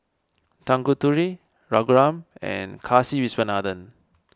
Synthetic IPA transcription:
tãŋkutuɹi | ɹɔɡɹãmɛ̰̃nkʰasiwisbənadə̃n

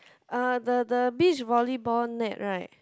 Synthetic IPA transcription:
adədəbit͡ʃvɔlibɔnɛʔɹaɪt̚

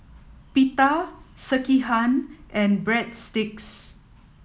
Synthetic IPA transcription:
pitasəkiɦanʔɛ̃nbɹɛdstɪks

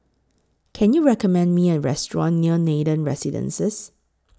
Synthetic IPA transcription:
kʰɛ̃njuɹɛkɔmɛ̃ndmiɛtɹɛstɹɔ̰̃nːiənedə̃nɹɛ̰sidə̰̃nsɛs

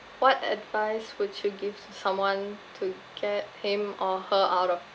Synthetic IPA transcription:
wɔtɛ̰dvaɪswudjuɡivtusãmwãntʰu | ɡ̥ɛt̚hĩmɔhəʔaʊɾɔf

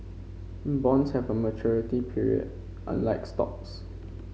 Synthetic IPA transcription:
bɔ̃nshɛvəmət͡ʃʰɔɹitipʰiɹḭə̰d | ʔã̰nlaɪkstɔ̰ks

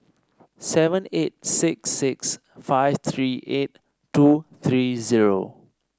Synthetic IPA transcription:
sɛvə̃net̚sɪksɪks | faɪvt̪ʰɹiʔet̚ | tːut̪ʰɹiziɹo̰

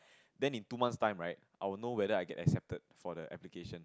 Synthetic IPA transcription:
dɛ̃nĩntumãnstãɪ̃mɹaɪt̚ʔajwəlnowɛɾəajɡɛ̰tɛ̰ksɛp̚təd̚fɔdəʔɛ̰plikeʃə̃n

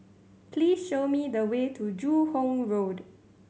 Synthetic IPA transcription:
pʰlisʃomidəwetʰud͡ʒuhõmɹod

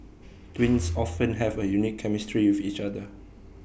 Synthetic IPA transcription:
twĩnsɔfə̃nɦɛvəjunikʰːɛmɪstɹiwɪfit͡ʃadə

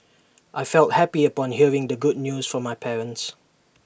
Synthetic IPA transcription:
ʔaɪfɛlˠt̚hæpiəpɔ̃nɦiəɹɪ̃ŋdəɡʊd̚ⁿnjuːz̥fɔmːaɪpʰɛɹə̃nts

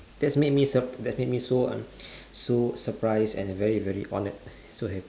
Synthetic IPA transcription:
d̥ɛtsmet̚misəpdɛtsmet̚misoʌ̰̃msosəpɹaɪsɛ̰̃nvɛɹivɛɹḭʔɔ̰nət̚ | soɦɛpi

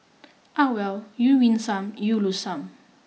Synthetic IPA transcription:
ʔawɛwjuwinsamjulusam

